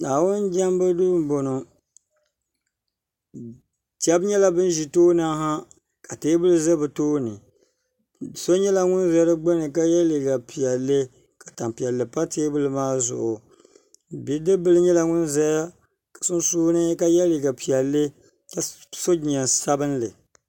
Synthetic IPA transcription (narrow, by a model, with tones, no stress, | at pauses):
naː˨wʊ˦nd͡ʒɛ˦mbɨ˦dʊ˦bɨ˦m˦bo˨no˨ | ti˨ɛ˦bɲɛ˦la˦bɨ˦n˦ʒi˨toː˦na˦ɦa˦ | ka˨teː˦bɨ˦lɨ˦ze˦bɨ˨toː˦nɨ˨ | so˦ɲɛ˦la˦ŋʊ˦n˦za˦dɨ˦ɡ͡bo˦nɨ˨ka˦jɛ˦li˨ɡa˨pi˨ɛ˨lːɨ˦ | ka˨ta˨mpi˨ɛ˨lːɨ˨pa˦teː˦bɨ˦lɨ˦maː˦zʊ̰˨ʔʊ˨ | bi˨˦dɨ˦bɨ˦lɨ˦ɲɛ˦la˨ŋʊ˦nzɛ˦ja˦ | kḁ˨sʊ˦n˦suː˦nɨ˦ka˦jɛ˦li˨ɡa˨pi˨ɛ˨lːɨ˦ | ka˨so˦d͡ʒi˨ɲɛ˨nsa˦bɨ˦n˦lɨ̰˨